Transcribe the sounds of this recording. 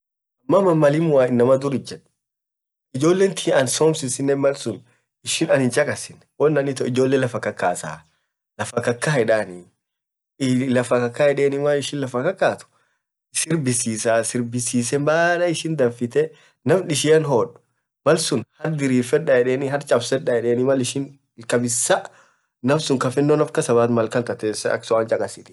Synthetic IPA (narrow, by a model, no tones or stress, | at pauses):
ɐmːɐmɐmːɐlɪmʊwaːɪnːɐmɐd̪ʊɾɪd͡ʒːɛᶑʊ̥ | ɪd͡ʒoːlːeːnt̪ʰiɐnsoːmsɪsɪnːeːnmɐlsʊn | ɪʃɪnɐnɪnt͡ʃʼɐkʼɐsɪn | wɔnːɐnɪt̪ɔɪd͡ʒoːlːeːlɐfɐkːɐkːaːsa̰ː | lɐfɐkɐkːaɛᶑaːni | lɐfɐkɐkːahɛᶑeːnɪmaːɪʃɪnlɐfɐkɐkːaːt̪ʊ̥ | sɪɾbɪsiːsaːsɪɾbɪsiːsɛmbaːlɐɪʃɪnd̪ɐfɪt̪ɛ | nɐfᶑɪʃɪɐnɦoᶑʊ̥ | mɐlsʊnhɐɾd̪ɪɾiːfɛᶑːɐjɛᶑeːniɦɐɾt͡ʃʼɐbsɛᶑːɐjɛᶑeːnɪmɐlɪʃɪn | lkɐbɪsːɐʔ | nɐfsʊŋkɐfɪnːonɐfkɐsɐβaːt̪mɐlkɐnt̪ɐt̪eːsɐɐ̰ksɔaːnt͡ʃʼɐkʼɐsɪt̪ɪ̥